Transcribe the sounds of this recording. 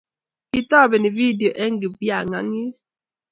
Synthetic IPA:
ki˨tɔ˦˨be˨ni˨vi˦di˨o˨ʔe˦ŋ̩˦ɡi˨bja˨ŋa̰˨ŋi˦

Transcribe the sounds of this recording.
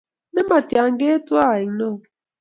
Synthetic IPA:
ne˦ma˨tja˨ŋ˦ɡe˦twa˦˨i˨ŋnɔ˦˨

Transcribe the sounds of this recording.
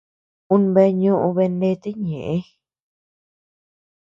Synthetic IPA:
ũ˦nβe˧˦ɲũ˦ʔũ˧βe˧nde˦˧t̪i˦ɲẽ˨ʔẽ˦

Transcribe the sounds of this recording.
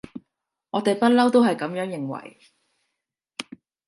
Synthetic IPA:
ŋɔː˨˧t̪e˨jpɐ˥t̚lɐ˥wt̪o˥whɐ˨jkɐ˨˧˥mjœː˨˥ŋjɪ˨ŋwɐ̰˨˩j

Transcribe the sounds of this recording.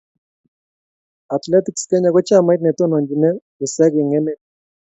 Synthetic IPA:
a˨t̪lɛ˦t̪ikskɛ˦ɲa˨kɔ˦t͡ʃa˦ma˦jt̪̬̚nɛ˨t̪ɔ˦nɔ˨ɲd͡ʒi˨nɛ˦ku˨sɛ˦ke˨ŋɛ˦nɛ˦

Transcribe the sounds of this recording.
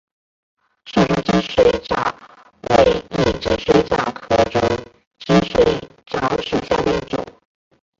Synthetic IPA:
ʂu˥˩ʈ͡ʂʊ˥t͡ɕi˥nʂwe˧˩ɪʈ͡ʂɑ̰˥ | we˨˧˩ɪi˥˩ʈ͡ʂə˨˩ʂwe˥ɪʈ͡ʂɑ˥˩kʰɤ˧˩ʈ͡ʂʊ˥ŋ | t͡ɕi˥nʂwe˧˩ɪ | ʈ͡ʂɑ˥ʊʂu˥˩ɕja˥˩d̪ə˧i˥˩ʈ͡ʂʊ̰˨˩˦ŋ

